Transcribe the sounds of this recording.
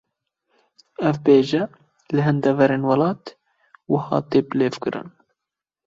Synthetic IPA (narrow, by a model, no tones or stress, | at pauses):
ɛvbeːʒɛ | lɨɦɨnd̪ɛvɛɾeːnwɑlɑːt̪ | wʊhɑ̰ːt̪eːpɨleːvkɨɾɨ̰n